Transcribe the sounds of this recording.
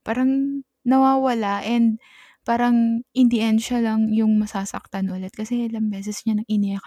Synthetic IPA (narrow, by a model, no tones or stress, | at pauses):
paːɾɐŋ | nɐwaːwɐlaʔɛnd̪̚ | paːɾɐŋʔɪnd̪ɪʔɛnʃɐlɐŋjʊŋmɐsaːsɐ̰k̚t̪anʔʊlɛt̪̚kɐsɛʔlɐŋbɛːsɛsɲanɐŋɪnɛk